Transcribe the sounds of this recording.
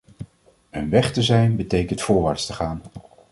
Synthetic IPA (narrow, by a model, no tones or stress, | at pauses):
ənʋɛχtəzɛjnbətejkəntfʊːɹʋaːɹtstəχaːn